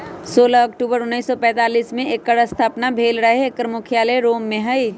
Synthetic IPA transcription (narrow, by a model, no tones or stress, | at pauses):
soːlaɔkʈuːbəɾʊnːiːsːɔpɛ̃ːt̪aːliːsmẽʔekːəɾəst̪ʰaːpnabʱeːlɾɐɦeekəɾmʊkʰjaːleɾoːmːẽɦɐi